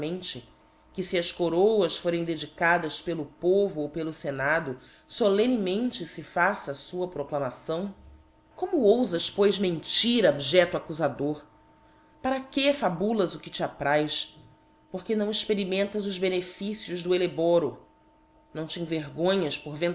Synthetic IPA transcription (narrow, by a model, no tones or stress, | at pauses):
mẽnt͡ʃɪ | kɪsiɐʃkoɾowɐsfoɾẽj̃d̪ed͡ʒikad̪ɐspelʊpovʊowpelʊsenad̪ʊ | solẽnimẽnt͡ʃɪsɪfasɐsuɐpɾoklɐmasɐ̃w̃ | kõmʊowzɐʃpojzmẽnt͡ʃiɾɐobiʒɛt̪akuzad̪oɾ | paɾɐkefabulɐzʊkɪt͡ʃiat̪ɾajʃ | poχkenɐ̃w̃iʃpeɾimẽnt̪ɐzʊzbenefisiʊʒd̪ʊelebɔɾʊ | nɐ̃w̃t͡ʃɪĩveɾɡõɲɐʃpoɾvẽn